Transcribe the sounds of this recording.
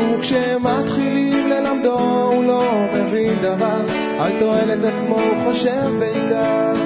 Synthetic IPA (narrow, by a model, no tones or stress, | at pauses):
kʃe | mat̪χilimle̞lamd̪oulo̞me̞vind̪avaʁ | ajt̪o̞e̞let̪at͡smo̞uχoʃevbeika